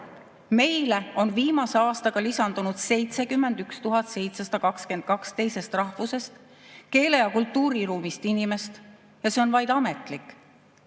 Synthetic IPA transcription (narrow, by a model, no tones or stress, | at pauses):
me̞jle̞o̞nviːmɑse̞ɑːst̪ɑɡ̥ɑlisɑnd̪̥unud̪̥se̞jt̪se̞kymːe̞nd̪ykst̪uɦɑt̪se̞jt̪se̞sɑ̥d̪ɑkɑkske̞nd̪̥̚kɑkst̪e̞jse̞st̪rɑhvuse̞st̪ | ke̞ːle̞jɑkult̪ːuːɾiɾuːmist̪inime̞st̪ | jɑse̞o̞nvɑjd̪ɑme̞t̪ˑlikːˑ